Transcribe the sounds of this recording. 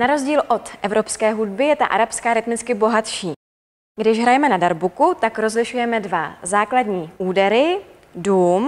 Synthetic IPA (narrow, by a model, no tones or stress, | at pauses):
naɾo̞zɟiːlʔo̞t̪ʔɛvɾo̞pskɛːɦudbɪjɛt̪a̰ʔa̰ɾapskaːɾɪt̪mɪt͡skɪbo̞ɦat̪ʃiː | ɡdɪʃɦɾajɛmɛnadaɾbukut̪akɾo̞zlɪʃujɛmɛdvazaːkladɲiːʔuːdɛɾɪ | duːm